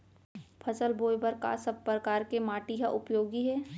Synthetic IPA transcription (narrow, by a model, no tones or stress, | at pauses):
pʰɐsəlboːjbəɾka̰sɐb̚pɾɐkaːɾkemaːʈiɦaʔʊpjoːɡiɦɛː